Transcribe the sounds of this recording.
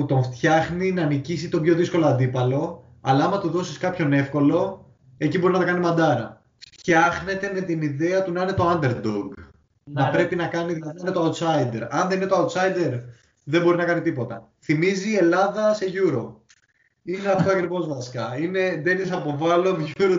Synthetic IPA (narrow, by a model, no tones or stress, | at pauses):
put̪o̞ɱft̪çɐxninɐnicisit̪opço̞ðisko̞loɐnd̪ipɐlo̞ | ɐ̰lɐɐmɐt̪uðo̞siskɐpço̞ne̞fko̞lo̞ | e̞cibo̞ɾinɐt̪okɐnimɐnd̪ɐɾɐ̰ | ft̪çɐxne̞t̪e̞me̞t̪iniðe̞ɐt̪unɐine̞t̪o̞ɐnd̪e̞ɾd̪oɡ | nɐpɾe̞pinɐkɐniðilɐðininet̪oɐut̪sɐjd̪e̞ɾɐnðenine̞t̪oɐut̪sɐjd̪e̞ɾ | ðembo̞ɾinɐkɐnit̪ipo̞t̪ɐ | θimizie̞lɐðɐse̞ʝuɾo̞ | ineɐft̪oɐkɾivo̞zvɐskɐine̞d̪e̞nisɐpo̞vɐlo̞vʝuɾo